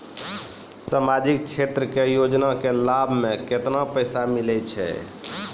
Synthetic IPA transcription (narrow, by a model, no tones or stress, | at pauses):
samad͡ʒik̚t͡ʃʰet̪ɾəkejod͡ʒnakelabʱmẽket̪napəjsamilɛt͡ʃʰɛ̰